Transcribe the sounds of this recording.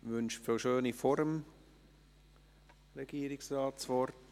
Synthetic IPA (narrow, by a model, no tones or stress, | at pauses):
vʏnʃfəlʃøːnifoɾəm | ɾeɡ̥iːɾɪksrɑːtsvɔɾt